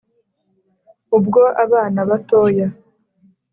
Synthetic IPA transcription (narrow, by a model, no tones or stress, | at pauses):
ubɡo̞ʔaβaːnaβato̞ːja